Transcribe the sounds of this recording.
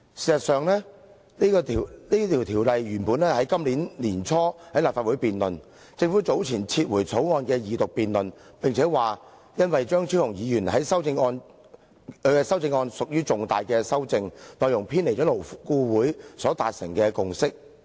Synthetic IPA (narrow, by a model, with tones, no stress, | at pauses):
siː˨˩sɐ˨t̚sœː˨ŋlɛː˥ | iː˥ɔ˧˨liː˥t̪ʰiː˨˩wt̪ʰiː˨˩wlɐ˨jɥyː˨˩npu˨˥nlɛː˥hɐ˨˥jkɐ˥mliː˨˥nliː˨˩nt͡sʰɔː˥hɐ˨˥jlaː˨pfaː˧wuː˨˥jpiː˨nlɵ˨n | t͡sɪ˧ŋfuː˨˥t͡so˨˥wt͡sʰiː˨˩nt͡sʰiː˧t̚wuː˨˩jt͡sʰo˨˥wŋɔː˧nkɛː˧jiː˨˧t̪ʊ˨k̚piː˨nlɵ˨npɪ˨ŋt͡sʰɛː˨˥waː˨ | jɐ˥nwɐ˨jt͡ʃœː˥ŋt͡ʃʰiː˥hʊ˨˩ŋjiː˨˧jyː˨˩nhɐ˨˦˥jsɐ˥wt͡sɪ˧ŋɔː˧n | kɵ˨˧ɛ˧sɐ˥wt͡sɪ˧ŋɔː˧nsʊ˨k̚jyː˥t͡sʊ˨ŋt̪aː˨jkɛː˧sɐ˥wt͡sɪ˧ŋlɔː˨˧jʊ˨˩ŋpʰiː˥nle˨˩jt͡ʃɔː˨˥lo˨˩wkuː˧wuː˨˥jsɔː˨˥t̪aː˨t̚sɪ˨˩ŋkɛː˧kʊ˨ŋsɪ˥k̚